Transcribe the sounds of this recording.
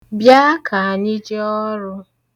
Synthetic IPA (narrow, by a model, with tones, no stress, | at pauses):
bja˦kʰa˨a˨ɲɪ˦d͡ʒe˦ɔ˦ɾʊ˦